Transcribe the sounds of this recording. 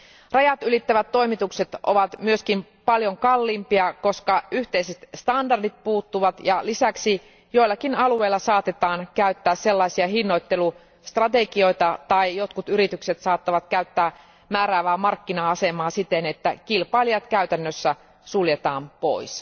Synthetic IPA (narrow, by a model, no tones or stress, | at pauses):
rɑjɑt̪ylit̪ːæʋæt̪tːo̞imit̪ukse̞t̪ʔo̞̰ʋɑt̪myøskim | pɑljoŋkɑlːimpiɑko̞skɑyht̪eiset̪st̪ɑndɑrdit̪̚puːt̪ːuʋɑt̪jɑlisæksi | jo̞ilːɑkinɑlue̞ilːɑsɑːt̪e̞t̪ɑːnkæyt̪ːæːsse̞lːɑisiɑɦinːo̞jt̪ːe̞lu | st̪rɑt̪e̞ɡio̞jt̪ɑt̪ɑijo̞t̪kut̪yɾit̪ykset̪sɑːt̪ːɑʋɑt̪kæyt̪ːæː | mæːɾæːʋæːmɑrkːinɑɑse̞mɑːsit̪enet̪ːækilpɑːlijɑt̪kæyt̪ænːøsːæ | suljet̪ɑːmpo̞̰ijs